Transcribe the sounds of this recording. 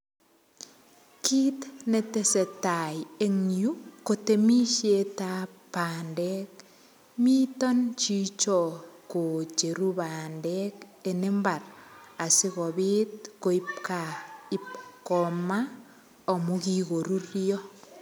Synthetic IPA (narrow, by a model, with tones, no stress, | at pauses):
ki˦tne˨te˦se˨ta˨je˦ŋju˦ko˨te˨mi˦ʃe˦tapandɛk | mi˦tɔ˦nt͡ʃi˦t͡ʃɔ˨ko˨t͡ʃe˨ɾu˦bandɛke˨ne˦mba˨ɾa˨si˦ɣɔ˨bit̚ko˨i˦pkai˦pkɔ˨ma | ɔ˨moki˦ɣo˨ɾu˦ɾijɔ˦